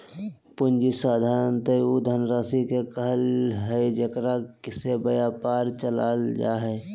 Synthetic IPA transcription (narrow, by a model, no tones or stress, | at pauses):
pʊnd͡ʒisaːd̪ʱaːɾənt̪eud̪ʱənɾaːsikekəɦəlɦɛd͡ʒekɾakɪsebəjaːpaːɾt͡ʃəlaːld͡ʒa̰ːɦɛː